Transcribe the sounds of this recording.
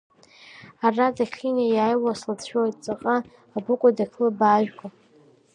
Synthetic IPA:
aradaχʲinajaːjwaslat͡sʰʃᶣojtʼt͡sʼaqʼaː | bɨkʷʼadakʰlɨbaːʒᶣkʷʼa

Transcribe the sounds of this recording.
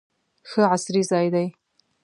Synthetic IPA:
xəʕasɾizɑːjd̪aj

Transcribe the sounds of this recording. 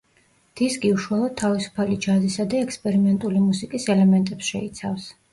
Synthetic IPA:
d̪̥iskʼiuʃwalˠɔd̪̚t̪ʰːavisu̥pʰalid͡ʒazisad̪aɛkspʼɛɾimɛnt̪ʼulimusikʼisɛlɛmɛnt̪ʼɛpsʃɛ̰it̪sʰafs

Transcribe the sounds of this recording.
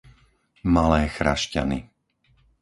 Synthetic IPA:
malɛːxɾa̰ʃca̰ni

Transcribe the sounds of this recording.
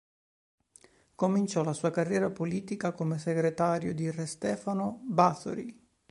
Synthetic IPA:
komint͡ʃɔlasuːakarːjɛːɾapoliːt̪ikakomeseɡɾet̪aːɾjod̪irɛst̪ɛːfanobaθo̰ɾi

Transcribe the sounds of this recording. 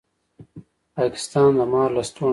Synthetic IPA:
pɑːkɪ̥st̪ɑːnd̪əmɑːɾlast̪o

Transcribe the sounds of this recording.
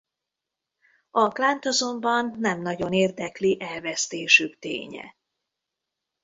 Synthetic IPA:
ɒklaːnt̪ɒzo̞mbɒnːɛmnɒɟo̞neːrd̪ɛkliʔɛlvɛst̪eːʃykt̪ḛːɲɛ̰

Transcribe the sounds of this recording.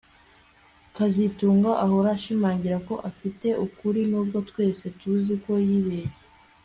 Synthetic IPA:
kazituːŋɡaʔaɦoɾaʃimaːɲɟiɾako̞ʔafite̞ʔukuɾinuːbɡo̞twe̞ːse̞tuziko̞jiːβe̞ːje

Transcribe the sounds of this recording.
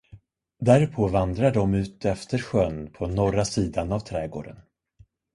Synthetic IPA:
d̪æɾpʰɔvand̪ɾaɖɔmʉ̟ːt̪ɛft̪əɾɧœnpʰɔnɔɾasiːd̪anavt̪ʰɾɛːɡo̰ːɖə̰n

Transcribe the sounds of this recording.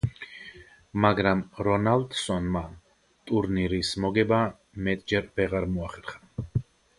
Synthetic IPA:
maɡɾamɾɔnald̪sɔnma | t̪ʼuɾniɾismɔɡɛba | mɛt̪ʼd͡ʒɛɾb̥ɛʁaɾmuaχɛɾχḁ

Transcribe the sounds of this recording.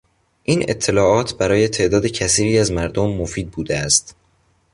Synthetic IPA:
ʔiːnʔet̪ʰːe̞lɒːʔɒːt̪ʰbæɾɒːje̞t̪ʰe̞ʔd̪ɒːd̪ecʰæsiːɾiːæzmæɾd̪omːofiːd̪̚buːd̪eæst̪

